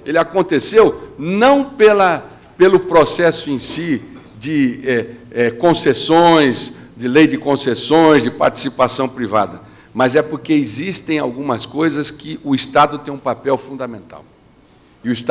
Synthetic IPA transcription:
elɪakõnt̪esewnɐ̃w̃pelɐ | pelʊpɾosɛsʊẽsi | d͡ʒɪɛɛkõsesõj̃z | d͡ʒɪlejdɪkõsesõj̃zd͡ʒɪpa̰ɾt͡ʃi̥sipasɐ̃w̃pɾiva̰d̪ɐ | mɐzɛpoɾkeɪzist̪ẽj̃awɡũmɐskojzɐskɪʔʊist̪ad̪ʊt̪ẽj̃ũpapɛwfũd̪ɐmẽnt̪a̰w | ɪʊist̪

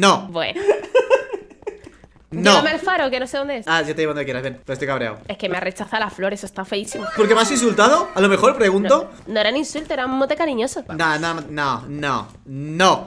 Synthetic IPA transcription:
nobwḛn | nomealfaɾokenose̞ðo̞nd̪eesaʝot̪eionekjeɾazβje̞npest̪ojkaβɾea̰we̞ske̞meare̞t͡ʃaθalaflo̞ɾesost̪afe̞isimopoɾkemasins̬ult̪aðoalomexo̞ɾpɾe̞ɣunt̪onoeɾaninsult̪oeɾaummot̪ekaɾiɲo̞sonananono̰ | no

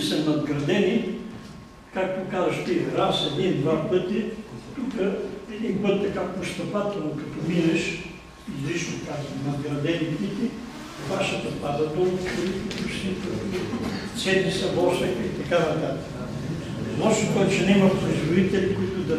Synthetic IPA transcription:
sɐnɐd̪ɡɾɐd̪ɛni | kak̚t̪okazɐʃt̪iɾasɛd̪ind̪vapɤt̪it̪ukəɛd̪inpət̪ːɐkapost̪ɐpat̪əlnokɐt̪ɔminɐʃ | izlit͡ʃnokazənɐd̪ɡɾɐd̪ɛnit̪it̪i | vaʃɐt̪ɐpad̪ɐd̪oloɾit̪it̪usit̪ɐit̪ | sɛd̪isɐvɔsɛkəit̪ɐkanɐt̪at̪ə̥ | nɔʃokɔjt̪t͡ʃɛnɛimɐxpɾooizvod̪it̪ɛlikoit̪ʊd̪ɐ

